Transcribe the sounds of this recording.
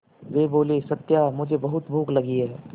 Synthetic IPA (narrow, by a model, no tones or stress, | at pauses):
ʋeːboːlesɐt̪ːjamʊd͡ʒʱebɐɦʊt̪bʱuːklɐɡiɦɛː